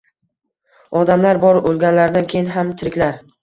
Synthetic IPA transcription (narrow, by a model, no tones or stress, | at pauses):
ɒd̪amlaɾbɒɾolˠɡʲanlaɾd̪ankʲʰe̞jɪnɦamt̪ʰɪɾɪkʲlaɾ